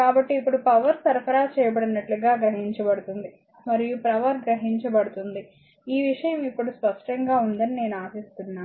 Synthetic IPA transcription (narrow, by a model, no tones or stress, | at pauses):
kaːbɐʈːiːpːuɽupɐʋɐɾsɐɾpɐɾaːt͡ʃɛːjɐbɐɽinɐʈluɡaːɡɾɐɦiɲt͡ʃɐbɐɽut̪und̪i | mɐɾijupɾɐʋɐɾɡɾɐɦiɲt͡ʃɐbɐɽut̪und̪i | iːʋiʂɐjɐmipːuɽuspɐʂʈɐŋɡaːund̪ɐnine̞ːnuaːsist̪unːaː